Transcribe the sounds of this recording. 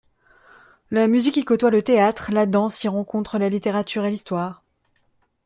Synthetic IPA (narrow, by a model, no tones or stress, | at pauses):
lamyzikʲikɔt̪walət̪eat̪χlad̪ɑ̃siʁɑ̃kɔ̃t̪χəlalit̪eʁat̪yʁelist̪waːʁ